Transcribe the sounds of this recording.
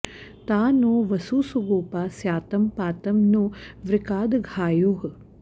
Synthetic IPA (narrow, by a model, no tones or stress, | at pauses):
t̪aːnuːʋɐsuːsuɡuːpaːsjaːt̪ɐmpaːt̪ɐmnuʋɾikaːd̪ɡʱaːjuːɦ